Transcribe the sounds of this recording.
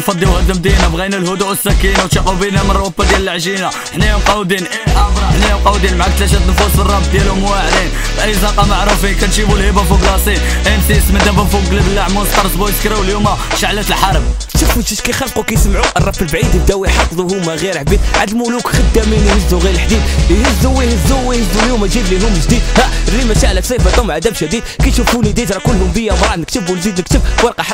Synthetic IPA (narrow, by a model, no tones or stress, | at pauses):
nfɑd̪ˤːiwhəd̪əmd̪inæbɣænælhʊd̪uʔəsːækinawt̪ʃiqubinæmənˤːwæbːæd̪jæləlʕʒina | ħnijæmqɑwd̪inʔiʔæfɾˤɑħnijæmqɑwd̪inmʕak̚t̪læʃ̬æt̪nfusbərˤːɑbt̪̚d̪jælʊmwaʕɾin | bʔæjzɑqɑmaʕɾˤufinkænʃibulhibæfuɡɾɑsˤin | ʔænsisməd̪æbæfuɡlibəlːaʕmunst̪ɑɾˤsbujt̪kɾiwəljumæʃaʕlæt̪əlħɑɾˤəb | ʃufuʃiʃkæjxɑlqukæjsəmʕuʔərˤːɑfəlbʕid̪b̚d̪æwiħɑfd̪ˤuɦumæɣiɾħbid̪ʕad̪lmulukxəd̪ːæmininəzuɣiɾəlħd̪id̪həzːuwːihəzuwːihəzːuljumæʒid̪liɦʊmʒd̪id̪hæərːimæʃaʕlæfsˤijfɑt̪umʕad̪æbʃæd̪id̪̚kæj̪ʃufunid̪it̪ɾˤɑkʊlhʊmbəjːamɾˤɑt̪nəkt̪əbunzid̪nək̚t̪əbwɑɾqɑħ